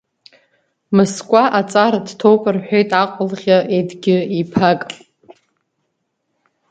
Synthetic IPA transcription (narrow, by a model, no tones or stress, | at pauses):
mɨskʷʼaʔat͡sʼaɾadtʰowkʷʼɨrħʷᶣejtʼaqʷʼʊlʁʲaʔedɡʲɪipʰakʼ